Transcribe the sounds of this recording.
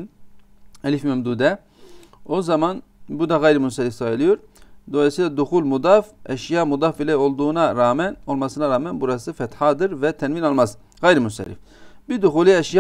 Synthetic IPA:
ɛlʲifmɛmd̪uːd̪ɛ | o̞zaman | bud̪aɣajɾimunsaɾʲifsajɯlˠɯjo̞ɾ | d̪o̞lˠajsiːlˠad̪uxulʲmud̪afɛʃjaːmud̪afbilʲɛo̞lˠd̪uːnaɾaːmɛno̞lˠmasɯnaɾaːmænbuɾasɯfɛt̪haːd̪ɯɾvɛt̪ʰɛnvinalˠmaz | ɣajɾimunsɛ̰ɾḭf | bid̪uxulʲˠiɛʃja

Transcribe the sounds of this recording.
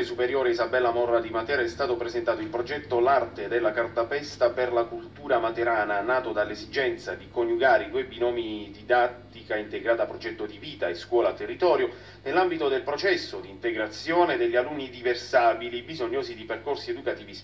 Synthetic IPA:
esupeɾjoːɾeizabɛlːamɔrːad̪imat̪ɛːɾaɛst̪aːt̪opɾezent̪aːt̪oilpɾod͡ʒɛt̪ːolart̪ed̪elːakart̪apɛst̪aperlakult̪uːɾamat̪eɾaːnanaːt̪od̪alːezid͡ʒɛnt̪sad̪ikoɲːuɡaːɾid̪webinɔːmid̪id̪at̪ːikaint̪eɡɾaːt̪apɾod͡ʒɛt̪ːod̪iviːt̪aeskwɔːlat̪ːerːit̪ɔːɾjo | nelːambit̪od̪elpɾot͡ʃɛsːod̪iːnt̪eɡɾat̪sːjoːned̪eʎːialunːid̪iversaːbilibizoɲːoːzid̪iperkorsied̪ukat̪iːvi

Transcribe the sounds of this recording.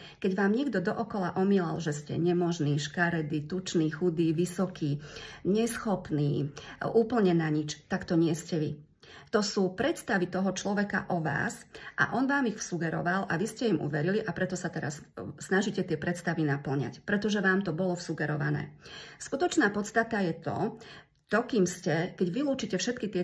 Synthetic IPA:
kɛɟʋaːmɲiɡd̪ɔd̪ɔʔɔkɔlaʔɔmilalʒɛscɛ̰ɲɛmɔʒniːʃkaɾɛd̪it̪ut͡ʃniːxud̪iːʋisɔkiːɲɛsxɔpniːuːpl̩ɲɛnaɲit͡ʃt̪akt̪ɔɲɪɛscɛʋi | t̪ɔsuːpɾɛt̪st̪aʋit̪ɔɦɔt͡ʃlɔʋɛka̰ʔɔʋa̰ːsʔa̰ʔɔnʋaːmixfsuɡɛɾɔ̰ʋalʔaʋiscɛimṵʋɛɾiliʔapɾɛt̪ɔsat̪ɛɾa̰ssnaʒicɛt̪ɪɛpɾɛt̪st̪aʋinapl̩ɲa̰cpɾɛt̪ɔʒɛʋaːmt̪ɔbɔlɔfsuɡɛɾɔʋa̰nɛ̰ːskut̪ɔt͡ʃnaːpɔt̪st̪at̪ajɛt̪ɔ̰ | t̪ɔkiːmscɛkɛɟʋiluːt͡ʃicɛfʃɛt̪kit̪ɪɛ

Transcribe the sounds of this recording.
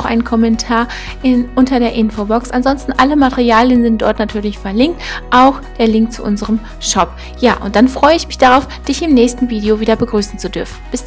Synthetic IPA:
xʔa̰ɪnənkʰɔmɛntʰaːɐ | ʔɪnʔʊntɐdeːɐʔɪnfobɔksʔanzɔnstn̩ʔaləmatɛʁiaːljənzɪnt̚d̥ɔɐtnatʰyːɐlɪçfɛɐlɪŋk̚tʔaʊxd̥eːɐlɪŋk̚tt͡suʔʊ̰nzəʁəm | ʃɔp | jaːʔʊ̰nt̚d̥anfʁ̥ɔʏəɪçmɪçd̥aʁaʊfd̥ɪçɪmnɛːçstn̩viːdioviːdɐbəɡʁyːsn̩t͡sudʏɐfn̩b̥ɪs

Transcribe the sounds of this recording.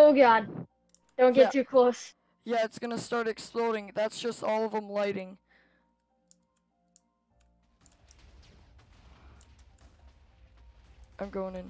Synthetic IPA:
oʊɡɑd̚ | d̥õʊ̃nɡɛttʰʉkʰl̥oʊs | jæɨtsɡ̥ʌnəstɑɹɾɨksplɔɾɪ̃ŋðætsd̥ʒ̥ʌstɔlˠʌvə̃mlaɪɾɪ̃ŋ | ãɪ̃mɡoʊɪ̃ŋɨ̃n

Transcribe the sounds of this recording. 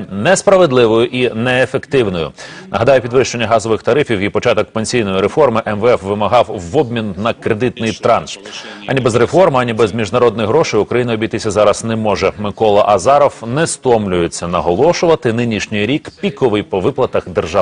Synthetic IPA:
nɛspɾɐʋed̪lˠɪʋɔjʊʔinɛːfekt̪ɪwnɔjʊ̰ | nɐ̰ɦɐd̪ɑjʊpʲid̪ʋɪʃt͡ʃe̞nʲːɐɦɑzɔʋɪxt̪ɐɾɪfʲiwipɔt͡ʃɑt̪ɔk̚penʲsʲijnɔjiɾefɔrmɪʔɛmʋɛɛfʋɪmɐɦɑwːɔbmʲinːɐkɾed̪ɪt̪nɪjt̪ɾɑnsɐ̰nʲibɛzɾefɔrmɐnʲibɛzmʲiʒnɐɾɔd̪̚nɔjɦɾɔʃɪjʊkɾɐjinɐɔbʲijt̪ɪsʲɐzɑɾɐznɛmɔʒɛmɪkɔlˠɐʔɐzɑɾɔwnɛst̪ɔmlʲʊjet͡sʲːɐnɐɦɔlˠɔʃʊʋɐt̪ɪnɪnʲiʃnʲɪjɾʲikpʲikɔʋɪjpɔʋɪplˠɐt̪ɐxd̪erʒɑ

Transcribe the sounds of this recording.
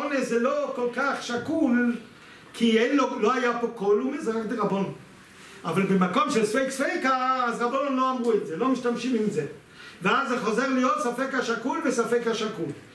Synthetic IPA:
onezelokolkaχʃakul | kʰiejnloloajapokolumizʁakd̪eʁabone | avalbemakomʃelsfejksfejkaːzʁabononloamʁuetzelo̞miʃtamʃimimze | veazːeχo̞zeʁlijotsafekhaʃakulvesafekhaʃakul

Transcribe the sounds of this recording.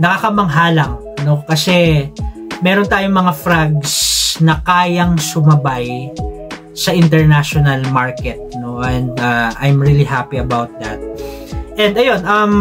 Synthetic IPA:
nɐkakɐmɐŋɦaːlɐŋ | no̞kɐsɛ | mɛːɾont̪aːjoŋmɐŋafɾaɡsnɐkaːjɐŋsʊmɐbaj | sɐʔɪnt̪ɛɹnaʃonɐlmaɹkɛt̪̚no̞ʔɛnd̪aʔa̰jmɹilihapiɐbawt̪̚d̪a̰t̪̚ | ʔɛ̃nd̪ɐjo̞nɐm

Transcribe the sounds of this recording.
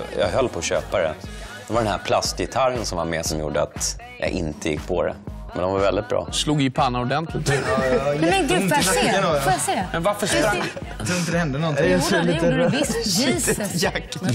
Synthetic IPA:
jɑ̰ɡɦœlːpʰɔːɕøːpaɾɛ̰d̪ɛvaɖ̪ɛnɦæɾpʰlast̪jɛt̪ʰaɾənsɔmvaɾmɛsɔmjṵːɖəa̰t̪ | ja̰ʔɪ̰nt̪ʰəjɪ̰kːpʰɔɾɛ̰mɛnd̪ɔmvaɾvɛld̪ɪt̪̚bɾɑ̰ːsluːɡɪpʰanːaɔɖ̪ɛnt̪lɪt̪ː | t̪ɪaənɔjasmɛnvaɾfəʂɾa | t̪ʰɾʊəd̪ɛhɛnd̪ənɔnsɛliːəɾlit̪ət̪jakː

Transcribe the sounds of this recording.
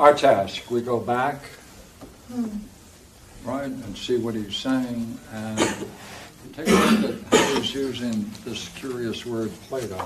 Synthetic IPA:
ə˞tʰæskwiɡoʊbæk | ɹaɪɾɨ̃nsiwʌt̚hiz̥seɪɪ̃ŋɨ̃n | tʰɛ̃kəɨt̚haʊizjʉzɪ̃ŋðɪskʰj̥ʊɹiɨswɜ˞d̚pʰl̥eɪɾɔ

